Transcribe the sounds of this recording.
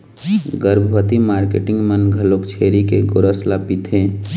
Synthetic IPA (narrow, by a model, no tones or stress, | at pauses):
ɡəɾbʱbət̪imaːɾkeʈɪ̃ŋɡmənɡʱəlokt͡ʃʰeːɾikeɡoɾəslapit̪ʰẽː